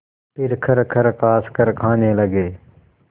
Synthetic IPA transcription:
pɪɾkʰəɾkʰəɾkaːskəɾkʰãːneːləɡeː

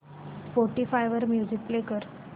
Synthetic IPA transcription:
fɔɾʈifajʋəɾmjuzik̚plekəɾ

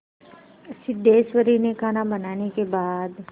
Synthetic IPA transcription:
sɪd̪ʱːeːʃʋəɾinekʰaːnabənaːnekebaːd̪

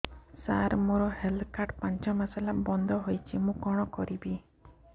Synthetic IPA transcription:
saɾmoɾɔhelkaʈpaɲt͡ʃɔmasalabɔnd̪ʱɔɦojt͡ʃʰimũkɔɽ̃ɔkɔɾibi

